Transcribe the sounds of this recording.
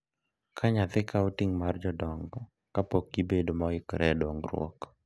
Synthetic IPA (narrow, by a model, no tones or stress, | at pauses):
kʰaɲat̪ɪkʰautiŋmard͡ʒɔdɔŋɡɔ | kapokːibedomɔɪkɾɛdɔŋɡɾwɔ̰k